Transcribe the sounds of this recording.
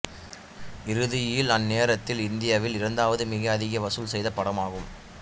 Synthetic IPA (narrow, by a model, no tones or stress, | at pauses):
ɪɾɯðɪjɪlɐnːeːɾɐt̪ːɪlɪnd̪ɪjaːʋɪlɪɾɐnd̪aːʋɐðɯmɪɣɐːðɪɣɐʋɐsɯlsɛjðɐpːɐɽɐmaːɣɯm